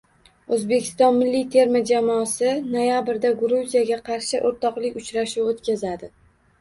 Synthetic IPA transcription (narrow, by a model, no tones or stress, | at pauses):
ɵzbe̞kʲʰɪ̥st̪ɒnmɪlːijt̪ʰe̞ɾmɪd͡ʒamɒːsɪnojabɪɾd̪aɡɾuzijaɡʲaqʰɑɾʃɪʔoɾt̪ʰɒqlˠɪkʲʊt͡ʃɾaʃuwot̪kʲʰazad̪ɪ